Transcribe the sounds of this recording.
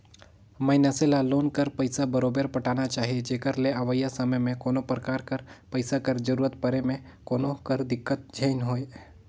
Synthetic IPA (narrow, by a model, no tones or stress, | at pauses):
məɪnaselaloːnkəɾpəɪsabəɾoːbəɾpəʈaːnat͡ʃaːɦied͡ʒeːkəɾleaʋəjəsəməjmẽkoːnopɾəkaːɾkəɾpəɪsakəɾd͡ʒəɾuːɾət̪pəɾemẽ | koːnokəɾd̪ɪkːət̪̚d͡ʒʱəɪnɦoːe